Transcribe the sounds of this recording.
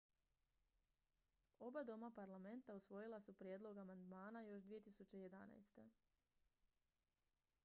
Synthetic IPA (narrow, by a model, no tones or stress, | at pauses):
o̞bad̪o̞mapaɾlame̞nt̪ausʋo̞jilasupɾjed̪lˠo̞ɡamand̪maːnajo̞ʃd̪ʋije̞t̪isut͡ɕe̞je̞d̪a̰na̰jst̪e̞